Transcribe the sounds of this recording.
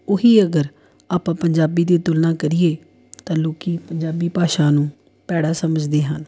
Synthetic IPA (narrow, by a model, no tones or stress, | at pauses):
ʊɦiːəɡəɾ | aːpãːpəɲd͡ʒaːbiːd̪eːt̪ʊlnãːkəɾɪeː | t̪ãːloːkiːpəɲd͡ʒaːbiːpaːʃaːnũː | pɛːɽaːsəməd͡ʒd̪eːɦən